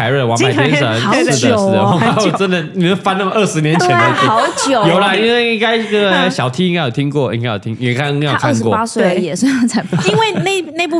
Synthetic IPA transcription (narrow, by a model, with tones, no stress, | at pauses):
a˧ɪɻə˥˩wɑ˧˥ma˨˩jɛ˥˧ʂə˧˦˧ə˥˩˨ʂ̩˧˩ə˧ɔ˧˥a˧˥wɔ˨˩ʈ͡ʂə˦˥nd̪ə˨ni˨˩nə˥˩fa˥na˥˩mə˨ʔə˥˩ʂɻ̩˧˥njɛ˧˥nʰjɛ˧˥na˧˩i˥ɑ˧˦ʊt͡ɕjo˨˩˦jo˨˩ʊlə˦i˥ŋwe˥˧ɪi˥˩ŋka˥ɪə˥˩ɡə˨˩ɕjɑ˨˩ʊt̪ʰi˥ĩ˥ŋka˥ɪjo˨˩i˥ŋkwɔ˥˩ḭ˥ŋka˥ɪjo˨˩t̪i˥ŋ˧˥˩ka˥i˧˥a˥jo˨˧˩a˥nkwɔ˥˩a˥swe˥˧˩jɛ˨˩se˥˧˥t͡sʰa˧˥ɪpi˥nwe˥˧ɪ˥ne˥˩ɪne˥˧ɪpu˥˩